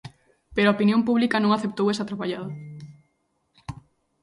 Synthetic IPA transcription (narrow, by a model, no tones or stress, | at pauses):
peɾoaopinjompuβlikɐnõŋaθep̚t̪owesat̪ɾapaʎaða